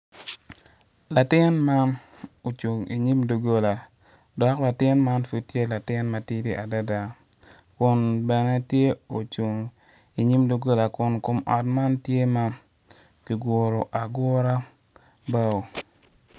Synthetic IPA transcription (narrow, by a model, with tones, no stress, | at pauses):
la˨tɪ˦nma˦ | o˨t͡ʃu˨ŋḭ˨ɲi˦mdo˨ɡo˦la˨ | dɔ˨kla˨tɪ˦nma˦nfu˦t̚tːje˦la˨tɪ˦nma˨ti˦di˦ʔa˨da˦da˨ | kʊ˨nbɛ˨nɛ˦tje˦o˨t͡ʃu˨ŋ | i˨ɲi˦mdo˨ɡo˦la˨kʊ˨nkʊ˨mɔ˨tma˦ntje˦ma˦ | ki˨ɡʊ˨ɾo˨ʔa˨ɡʊ˦ɾa˦ | ba˦o˨